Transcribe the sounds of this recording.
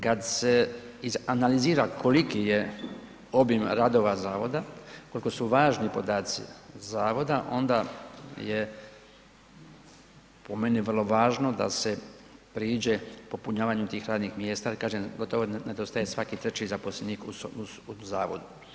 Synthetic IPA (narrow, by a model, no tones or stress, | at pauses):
kad̪se̞izanaliziːɾakʰo̞likije | o̞bimɾad̪o̞ʋazaːʋo̞d̪ako̞liko̞suʋaːʒnipo̞d̪aːt̪sḭzaːʋo̞d̪aʔo̞nd̪aje | po̞me̞niʋər̩lo̞ʋaːʒno̞d̪a̰se̞pɾiːd͡ʑe̞po̞puɲaːʋaːɲut̪iːxɾaːd̪nixmje̞ːst̪aːikaːʒemɡo̞t̪oʋoned̪ost̪ajesʋakit̪ɾet͡ɕizapo̞slʲeniːkuu | uzaːʋo̰d̪u